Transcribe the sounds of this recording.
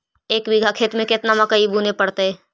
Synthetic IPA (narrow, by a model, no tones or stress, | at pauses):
eːkbɪɡʱakʰeːt̪mẽkɪt̪namɐkəibuːnepɐɽt̪eɦɛː